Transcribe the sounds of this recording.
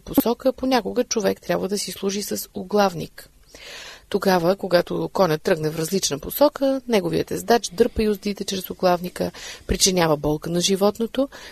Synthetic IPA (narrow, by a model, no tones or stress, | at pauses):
posɔkəponʲakoɡət͡ʃovɛkt̪ɾʲabvəd̪ɐsislˠuʒisəsoɡlˠavnḭk | t̪oɡavəkoɡat̪okɔnʲət̪ːɾɤɡnɛvɾɐzlit͡ʃnəposɔkənɛɡoviə̰t̪ɛzd̪at͡ʃd̪ɤɾpəiʊzd̪it̪ɛt͡ʃɾɛsʊɡlˠavnikəpɾit͡ʃɛnʲavəbɔlˠkənɐʒivɔt̪not̪o